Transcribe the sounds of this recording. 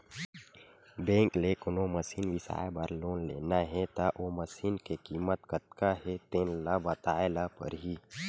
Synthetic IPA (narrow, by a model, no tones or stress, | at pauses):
bẽːŋklekʊnoməsiːnʋɪsa̰ːebaɾloːnlḛːnaɦɛt̪aʔoməsiːnkekiːmət̪kət̪̚kaɦɛt̪ẽːnlabɐt̪aːelapə̰ɾɦiː